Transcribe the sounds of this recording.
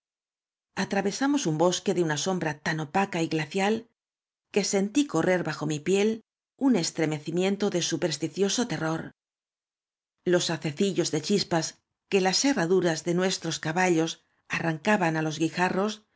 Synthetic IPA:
at̪ɾaβe̞samo̞sumbo̞ske̞ðe̞unaso̞mbɾat̪ano̞pakaiɣlaθjal | ke̞se̞nt̪iko̞re̞ɾβaxo̞mipje̞l | une̞st̪ɾe̞me̞θimjẽ̞nt̪o̞ðe̞supe̞ɾst̪iθjo̞so̞t̪e̞ro̞ɾ | lo̞saθe̞θiʎo̞zðe̞t͡ʃispas | ke̞lase̞raðuɾazðe̞nwe̞st̪ɾo̞skaβaʎo̞s | araŋkaβanalo̞zɣixaro̞s

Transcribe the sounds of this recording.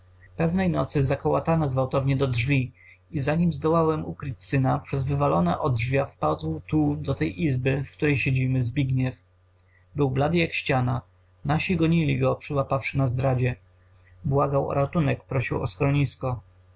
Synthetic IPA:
pɛvnɛjnɔt̪sɘzakɔwat̪anɔɡvawt̪ɔvɲɛd̪ɔdʐvʲi | izaɲimzd̪ɔwawɛmukɾɘt͡ɕsɘnapʂɛzvɘvalɔnɛʔɔd̪ʐvʲjafpad̪wt̪ud̪ɔt̪ɛjʔizbɘfkt̪uɾɛjɕed͡ʑimɘzbʲiɡɲɛf | bɘwblad̪jakɕt͡ɕana | naɕiɡɔɲilʲiɡɔpʂɘwapafʂɘnazd̪ɾad͡ʑɛ | bwaɡawɔ̰ɾat̪unɛkpɾɔɕiwɔ̰skɾɔɲiskɔ

